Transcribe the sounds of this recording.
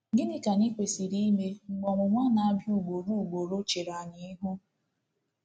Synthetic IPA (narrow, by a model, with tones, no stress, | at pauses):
ɪ˦nɪ˦ka˨ni˦kʷe˨si˨ɾi˦me˦ŋ͡m̩˨ɡ͡bɔ˨ŋʷʊ˨ŋʷa˦na˨a˦bju˦˨ɡ͡bo˨ɾu˦˨ɡ͡bo˨ɾo˦t͡ʃe˨ɾa˨ɲɪ˨i˦ɦu˦